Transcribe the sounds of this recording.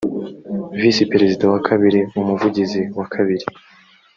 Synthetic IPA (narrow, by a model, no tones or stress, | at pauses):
visipe̞ɾezidawakʰaβiɾiumuvuɟiziwakʰaβiɾi